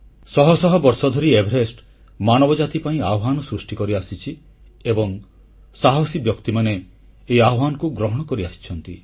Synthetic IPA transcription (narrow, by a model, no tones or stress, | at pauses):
sɔɦɔsɔɦɔbɔɾsɔd̪ʱɔɾiebʱɾesʈ | manɔbɔd͡ʒat̪ipaĩaɦanɔsɾusʈikɔɾiasit͡ʃʰi | ebɔŋ | saɦɔsibjɔkt̪imaneː | jawɔɦanɔkuɡɾɔɦɔɽ̃ɔkɔɾiasi̥t͡ʃʰɔnt̪i